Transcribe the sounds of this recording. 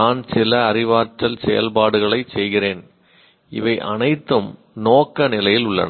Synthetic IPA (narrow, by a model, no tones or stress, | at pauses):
aːnsɪlɐːrɪʋaːʈɐlsɛjɐ̰lpaːɽɯɣɐɭɐɪsɛjɣɪreːn | ɪ̰ʋɐɪʔɐ̰nɐɪt̪ːɯm | noːkːɐnɪlɐjɪlʊɭːɐ̰nɐ